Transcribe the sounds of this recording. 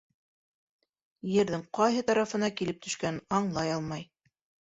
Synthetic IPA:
jɘ̆ɾðɘŋqɑjɦɤt̪ɑɾɑfɤ̆nɑkilɘp̚t̪ɵ̆ʃkænɑɴlˠɑjɑlˠmɑj

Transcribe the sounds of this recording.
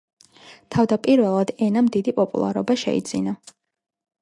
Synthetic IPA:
t̪ʰavd̪apʼiɾvɛlˠad̪̥ɛnamd̪id̪ipʼɔpʼṵlˠa̰ɾɔ̰baʃɛ̰ḭd̪zina

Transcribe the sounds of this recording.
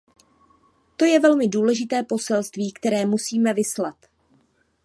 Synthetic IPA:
t̪o̞jɛvɛlmɪduːlɛʒɪt̪ɛːpo̞sɛlst̪viːkt̪ɛɾɛːmusiːmɛvɪslat̪

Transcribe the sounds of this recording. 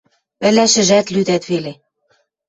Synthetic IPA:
βæ̆læʃɘ̆ʒæt̪lyd̪æt̪βele

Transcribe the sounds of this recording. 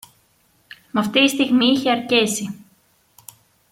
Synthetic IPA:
mɐft̪iist̪iɣmiiçeɐɾcesi

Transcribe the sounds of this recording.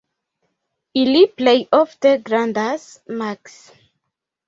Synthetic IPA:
iliplejʔɔfdəɡɹãndas | maks

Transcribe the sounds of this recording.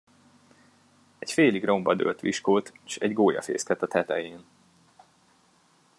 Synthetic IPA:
ɛcfeːliɡro̞mbɒd̪ø̰ːlt̪ʋiʃkoːt̪ːʃɛɟɡoːjɒ̰fḛːskɛt̪ɒt̪ɛt̪ɛjeːn

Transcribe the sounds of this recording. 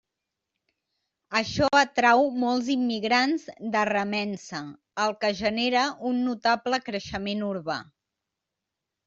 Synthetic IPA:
əʃɔət̪ɾawmɔlˠzimːiɣɾanzd̪ərəmɛnsə | əlˠkəʒəneɾəʔunːut̪apləkɾəʃəmenuɾβa̰

